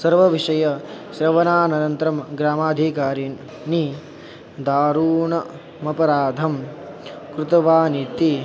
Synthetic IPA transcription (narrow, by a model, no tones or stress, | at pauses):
sɐɾʋɐʋiʂɐjɐʃɾɐʋɐnaːnɐɾɐnt̪ɾɐmɡɾaːmaːd̪ʱikaːɾi | ni | d̪aːɾuːɳɐ | mɐpɐɾaːd̪ʱɐm | kɾut̪ɐʋaːnit̪i